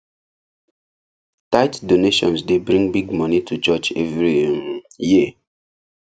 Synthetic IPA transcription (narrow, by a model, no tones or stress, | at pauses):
taɪtdoneʃɔ̰̃nsdebɹĩŋbiɡmɔnitʰut͡ʃɔt͡ʃɛ̰vɹi | ji